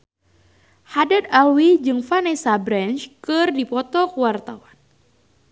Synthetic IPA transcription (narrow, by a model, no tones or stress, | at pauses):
hadat̪alwid͡ʒɨŋfanesabɾɛnt͡ʃkɨrdipɔt̪ɔkəwart̪awan